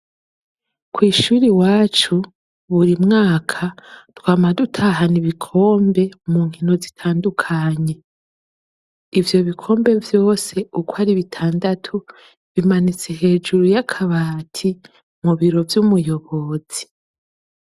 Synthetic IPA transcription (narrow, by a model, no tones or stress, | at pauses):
kwiːʃuɾiwaːt͡ʃu | βuɾimŋaːkʰatwaːmadutʰaɦaniβikʰo̞ːmbe̞muŋ̥hino̞zitʰaːndukʰaɲe̞ | ivjo̞βikʰo̞ːmbe̞vjo̞ːse̞ukwaɾiβitʰaːndatʰu | βimanit͡se̞he̞ːd͡ʒuɾujakʰaβaːtʰi | muβiɾo̞vjumujo̞βo̞ːz̥i̥